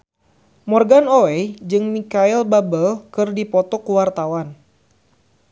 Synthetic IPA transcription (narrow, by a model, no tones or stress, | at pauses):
mɔrɡanoɛd͡ʒɨŋmikailbabəlkɨrdipɔt̪ɔkuwart̪awan